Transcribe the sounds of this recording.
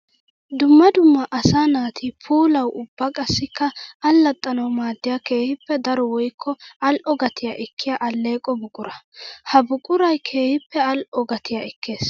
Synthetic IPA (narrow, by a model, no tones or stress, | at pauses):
d̪ʊmːɐd̪ʊmːɐʔɐsaːnaːt̪ʰɪpʰuːlɐwʔʊbːɐkʼɐsːɪkːɐɐlːɐt̪ʼːɐnɐwmaːd̪ːɪjake̞ːhɪpːɛd̪ɐɾɔwɔjkʰːɔɐlʔɔɡɐt̪ɪjaʔɛkʰːɪjaʔɐlːe̞ːkʼːɔbʊkʼʊɾɐhɐbʊkʼʊɾɐjkʰe̞ːhɪpːɛɐlʔɔɡɐt̪ʰɪjaɛkʰːe̞ːs